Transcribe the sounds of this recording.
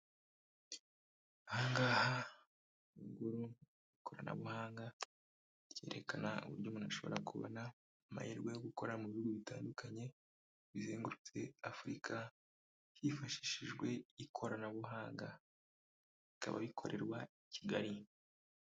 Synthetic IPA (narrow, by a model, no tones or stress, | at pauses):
ahaːŋɡaːha | uɡuɾu | ikʰoɾana̰βuhaːŋɡa | ce̞ɾe̞kanaṵβuɾɟoːmunaʃo̞βo̞̰ɾakʰuβo̰naː | ma̰hiɾɡwejoɡuko̞ɾamuβiuɡuβitʰaːndukʰaɲe̞ | βize̞ːŋɡuɾut͡se̞afuɾikʰa | hifaʃi̥ʃiʒɡwe̞ikʰo̞ɾanaβuɦaːŋɡa | βika̰βa̰βikʰo̞̰ɾʔe̞ɾwaiciɡaɾi